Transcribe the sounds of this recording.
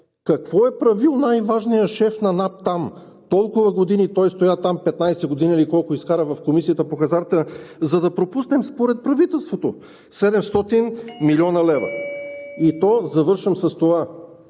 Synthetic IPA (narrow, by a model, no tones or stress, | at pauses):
kɐkvɔɛpɾɐvilˠnajvaʒnijəʃɛfnɐnap̚t̪am | t̪ɔlˠkʊvɐɡod̪init̪ɔjst̪ojat̪ampɛt̪najsɛɡod̪inʲiilikɔlˠkʊiskaɾəvɐfkomisijət̪əpoxɐzaɾt̪əzɐd̪ɐpɾopusnɛmspoɾɛt̪̚pɾɐvit̪ɛlˠst̪vot̪o | sɛd̪ɛmst̪ɔt̪inmilʲɔnɐlɛvɐ̰it̪ɔzɐvɤɾʃɐmsɐst̪ova